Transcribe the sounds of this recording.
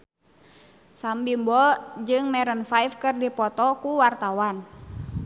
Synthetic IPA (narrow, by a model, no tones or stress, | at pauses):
sambimbɔd͡ʒɨŋmɛɾənfajfkɨrdipɔt̪ɔkuwart̪awan